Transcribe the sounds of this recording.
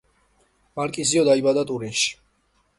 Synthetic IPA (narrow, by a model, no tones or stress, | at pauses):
maɾkʼiziɔd̪aibad̪at̪ʼuɾinʃi̥